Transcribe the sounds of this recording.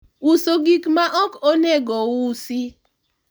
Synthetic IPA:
usoɡikmaʔɔkoneɡɔwusi

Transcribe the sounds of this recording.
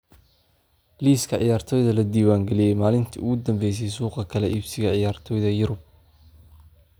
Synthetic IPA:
liːskʰɐʕɪ̰jaːrt̪ʰɔːjðɐlɐd̪iːwaːŋɡɛlɪjɛjmaːlɪnt̪ʰḭʊɣʊd̪ɐmbɛjs̬ɛjsuːqɐkʰɐlɛʔibsɪɣɐʕɪjaːrt̪ʰɔːjðɐjʊɾʊb̚

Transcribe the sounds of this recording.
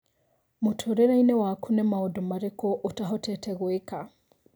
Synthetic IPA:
mutʰɔɾɛɾainɛwaːkʰunɛmaɔdɔmaɾɛkɔʔutaɦɔtʰɛtʰɛɣueka

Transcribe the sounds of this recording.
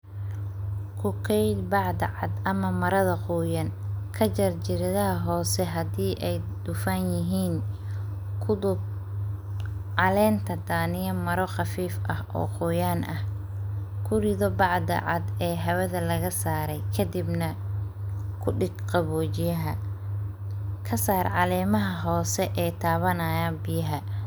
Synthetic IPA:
kʰʊkʰɛjd̪bɑʕd̪ɐʕɑd̪ʔɐmɐmɐɾɐðɐquːjɐnkʰɐt͡ʃɐrt͡ʃɪɾɐðɐɦɐɦɔːsɛɦɐd̪iːʔɛj | d̪̥ʊfaːnjɪɦiːn | kʰʊd̪ʊb | ʕɑlɛːnt̪ʰɐd̪aːnɪjɐmɐɾɔχɑfiːfʔɐhʔɔ̰ːqʊjaːnʔɐh | kʰʊrɪðɔbɑʕd̪ɐ̰ʕɑ̰d̪ɛːɦɐwɐðɐlɐɣɐsaːɾɛjkʰɐd̪ɪbnɐ | kʰʊɖɪɡqɑβɔːt͡ʃɪjɐɦɐ | kʰɐsaːrʕɑlɛːmɐɦɐɦɔːsɛʔɛːt̪ʰaːβɐnaːjaːnbɪjɐɦɐ

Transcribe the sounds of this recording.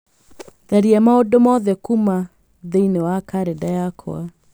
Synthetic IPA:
ðaɾiamaɔdomɔðɛkuma | ðeinewakaɾɛdajakʰɔ̰a

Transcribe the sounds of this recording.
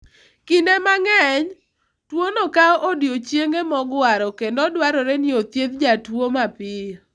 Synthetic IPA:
kɪnemaŋɛɲ | twonokaʔodjot͡ʃjeŋɡemɔɡwaɾɔkendɔdwaɾɔɾɛnɪot̪jeðd͡ʒatwomapɪ

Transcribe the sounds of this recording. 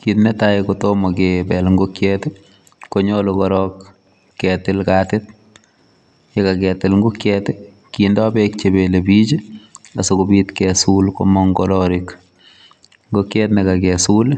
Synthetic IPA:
kitnetajkotomɔkebɛlŋɡokjɛt | koɲolokɔɾɔkː | ɛtɪlkatɪt | jekakɛtɪlŋɡukjɛt | kindɔbek̚t͡ʃebelebid͡ʒasokobitkɛsulko̰mɔŋɡɔɾɔɾɪk | ŋɡokjɛtnekakɛsul

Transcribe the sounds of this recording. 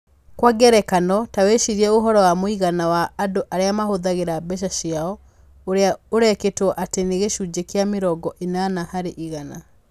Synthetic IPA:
kwaɡɛɾɛkanɔtaweʃiɾiɛoɦɔɾɔwamoiɣanawaʔːdoʔaɾeamahoðaɣeɾabɛʃ̬aʃiaɔ | oɾeaoɾɛketwɔʔateneɣeʃud͡ʑekjameɾɔɡɔʔenanahaɾeʔiɣana

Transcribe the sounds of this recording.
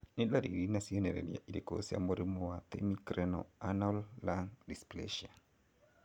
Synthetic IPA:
nelaɾḭɾinasiɔnɛɾɛ̰ɾja̰ʔiɾikosia̰moɾimɔwat̪ɛ̰mikɾɛnɔ̰anɔlːaŋdisplɛ̰ʃia

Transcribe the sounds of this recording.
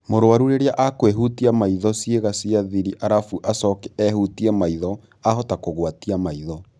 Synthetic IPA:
moɾoaɾuɾeɾeaʔakweɦutiamaiðɔsjeɣasiaðiɾiʔaɾafuʔasɔkɛɛhutiɛmaiðɔ | ahɔtakoɣwatiamaiðɔ

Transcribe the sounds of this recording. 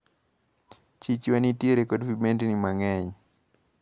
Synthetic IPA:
t͡ʃit͡ʃiwanitiɾɛkɔdvimɛntinimaŋɛɲi

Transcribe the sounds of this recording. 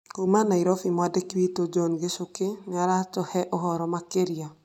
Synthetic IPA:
komanaiɾɔfimwadekwitod͡ʒɔnɡesokenɪaɾatɔhɛʔɔɦɔɾɔmakeɾia

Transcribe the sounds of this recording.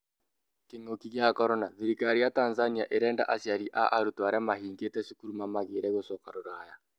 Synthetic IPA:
keŋokiɣjakɔɾɔnaðiɾikaɾijataːnzaniaʔeɾɛːnda̰ʔasjaɾiʔaʔaɾutwaɾamaɦiːŋɡetɛsukuɾumamaɣeɾɛɣosɔkaɾoɾaja

